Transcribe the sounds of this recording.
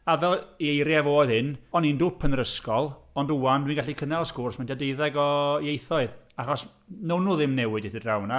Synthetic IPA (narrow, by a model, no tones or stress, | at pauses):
avɛlˠejɾjavoːɨðhɪnɔnindʊpʰənɾəskɔlˠɔnduandwinɡaɬikʰənɛlˠskʊrsmɛntʰadeɨðɛɡɔejθɔɨðaχɔs | nownuːðɪmnɛwɨdɪθədrawna